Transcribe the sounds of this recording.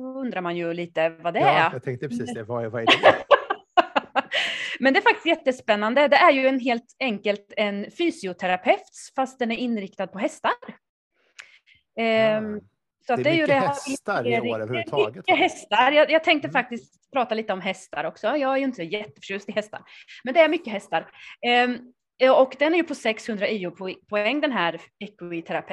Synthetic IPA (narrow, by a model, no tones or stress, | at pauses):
ɔɵnd̪ɾaɾmanjɵliːt̪əvad̪ɛt̪ʰɛŋt̪əsːv | mɛnd̪ɛːɾfak̚t̪ɪst̪jɛt̪ːəspɛnːand̪əd̪ɛʔæɾjɵɛnɦeːlt̪ɛŋkəlt̪ɛnfyːsɪʊt̪ʰɛɾapʰɛft̪sfast̪̚d̪ɛnæɾɪnːɾɪkt̪ad̪̚pʰɔɦɛst̪aɾ | sɔat̪̚d̪ɛːɾjɵɾɛbɪlɪsɾɪɛɾmʏːəɦɛst̪aɾjɑːjɑːɡ̚t̪ʰɛŋk̚t̪əfak̚t̪ɪskt̪pʰɾɑːt̪aliːt̪əɔmɦɛst̪a̰ɾɔksɔjɑːɡæɾjɵɪnt̪əsjɛt̪ːəfœ̥ʂʉ̟ːst̪ɪhɛst̪a̰ɾmɛnd̪ɛæɾmʏkːəɦɛst̪aɾ | ɔkd̪ɛnæɾjɵpʰɔsɛkshɵnd̪ɾaʔiːʊpʰpʰɔɛŋːd̪ɛnɦæːɾɛkːʊɪt̪ʰæɾapʰɛ